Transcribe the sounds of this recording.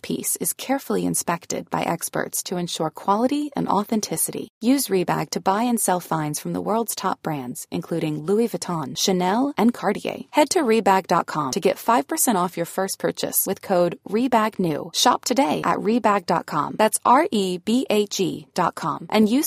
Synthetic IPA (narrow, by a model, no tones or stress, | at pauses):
pʰḭsɨz̥kʰɛɹfl̩ˠiɨ̰̃nspɛk̚tɨ̰d̚ba̰ɪʔɛkspə̰˞tstʰɨɨ̃nʃɔɹkʰw̥ɑlˠəɾiɨ̰̃nɔ̰θɛ̃ntʰɪsɨɾḭjʉzɹibæ̰ɡ̚tʰɨbaɪɨ̃nsɛlˠfãɪ̃nz̥fɹʌ̃mðə̰wɜ˞lˠdz̥tʰɑ̰p̚b̥ɹæ̃ndz̥ʔɨ̰̃nkʰl̥ʉɾɪ̃ŋluivɨtʰɑ̃nʃɨnɛlˠɨ̃nkʰɑɹɾiḛɪhɛd̚tʰɨɹibæɡ̚dɑ̰t̚kʰɑ̃mtʰɨɡɛtfaɪv̥pʰə˞sɛ̃ɾ̃ɔfjə˞fɜ˞spʰɜ˞t͡ʃɨ̰swɨð̥kʰoʊd̚ɹibæɡnʉ̰ʃɑ̰p̚tʰɨdeɪʔɨ̰ʔ̚ɹibæɡ̚dɑ̰t̚kʰɑ̰̃mðætsʔɑɹʔibiʔeɪt͡ʃḭd̥ɑt̚kʰɑ̰̃mʔɨ̃njɨ